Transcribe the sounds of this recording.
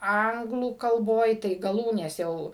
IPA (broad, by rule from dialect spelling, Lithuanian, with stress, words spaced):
ˈɐŋɡlˠuː kɐlˠˈboːj tɐɪ ɡɐˈlˠuːnʲeːs jɛʊ